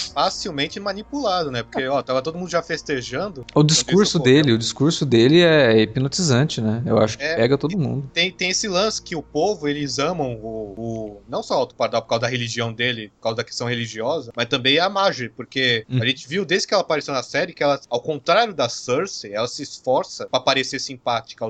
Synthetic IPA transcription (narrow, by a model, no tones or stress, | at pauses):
fasiwmẽnt͡ʃɪmɐnipulad̪ʊnɛpoɾkeɔt̪avɐt̪od̪ʊmũnd̪ʊʒafest̪eʒɐ̃nd̪ʊʊd͡ʒiskuɾsʊd̪elɪʊd͡ʒiskuɾsʊd̪elɪɛɛepinot͡ʃizɐ̃t͡ʃɪnɛḛwa̰ʃʊ̥kɪɛpɛɡɐt̪od̪ʊmṵ̃nd̪ʊt̪ẽj̃t̪ẽj̃esɪlɐ̃sɪ̥kɪʊpovʊelɪzɐ̃mɐ̃w̃ʊʊnɐ̃w̃sɔawt̪o̥paɾd̪awpoɾkawzɐd̪ɐɦeliʒiɐ̃w̃d̪elɪpoɾkawzɐd̪ɐke̥st̪ɐ̃w̃heliʒiɔzɐmɐst̪ɐ̃mbẽj̃ɐmaʒɪpoɾkeɐʒẽt͡ʃɪviwd̪ezdɪ̥kɪɛlɐapaɾesewnɐsɛɾɪkɪɛlɐawkõnt̪ɾaɾjʊd̪ɐsoɾsɪɛlɐsɪːsfɔɾsɐpɾɐpaɾeseɾsĩpat͡ʃi̥kɐ